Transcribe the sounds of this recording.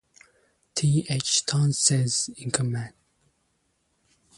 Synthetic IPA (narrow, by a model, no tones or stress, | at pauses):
tʰiet͡ʃt̪ʰɑ̃nsɛzĩnkʰəmæ̃n